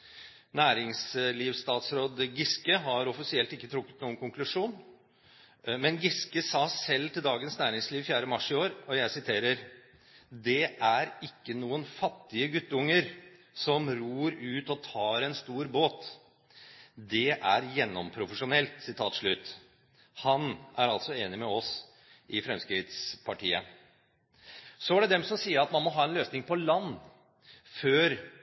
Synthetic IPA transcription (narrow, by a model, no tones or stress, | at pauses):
næːɾɪŋsliːʋst̪ɑːt̪sɾoːd̪ɡɪskəɦɑɾɔfɪsɪɛlt̪ɪkːət̪ʰɾʊkːət̪nuːnkʊŋklʉʂuːn | mɛnɡɪskəsɑːsɛlːt̪ʰɪld̪ɑːɡənsnæːɾɪŋsliːʋfjæːɾəmɑʂɪoːɾɔjæɪsɪt̪ʰeːɾəɾ | d̪ɛæɾɪkːənuːənfɑt̪ːɪəɡʉt̪ːəʊŋːəɾ | sɔmɾuːɾʉːt̪ɔt̪ʰɑːɾɛnst̪uːɾboːt̪ | d̪ɛʔæɾjɛnːɔmpʰɾʊfəʂʊnɛlt̪sɪt̪ʰɑːt̪ʂɭʉːt̪ | hɑnʔæɾɑlt̪sɔeːnɪmɛɔs | ʔɪfɾɛmskɾɪt̪spʰɑʈʰḭːə̰ | sɔæɖɛd̪ɛmsɔmsiːəɾɑt̪mɑnmɔɦɑːɛnløːsnɪŋpɔlɑnː | føːɾ